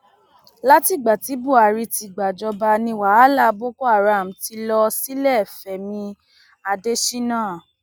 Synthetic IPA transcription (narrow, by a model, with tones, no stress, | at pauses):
la˦ti˦˨ɡ͡ba˨ti˨˦bu˦˨a˨ɾi˧ti˨˧˨ɡ͡ba˨d͡ʒɔ˧ba˧nĩ˧wa˨˦a˦la˦˨˧bo˦ko˦a˦˨ɾa˨m̩˨ti˧˦lɔ˧si˦lɛ˦˨fɛ˨mĩ˧ | a˧de˦ʃi˦nãː˦˨